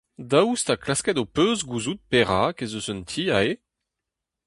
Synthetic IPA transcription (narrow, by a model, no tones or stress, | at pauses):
dawust̪aklaskɛdopøzɡuzut̪̚peʁakezøsœnt̪ʰiae